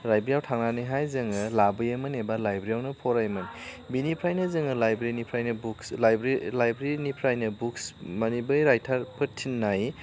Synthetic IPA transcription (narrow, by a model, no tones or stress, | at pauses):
ɾajbɾijawtʰaŋnanɯɦajzɯŋɯlabɯjɐmɯnebalajbɾijawnɯpʰoɾajmɯn | binipʰɾajnɐzɯŋɯlajbɾinipʰɾajnɐbukslajbɾlajbɾinipʰɾajnɯbuksmɐnibɯjɾajtʰaɾpʰɯtʰːinːaj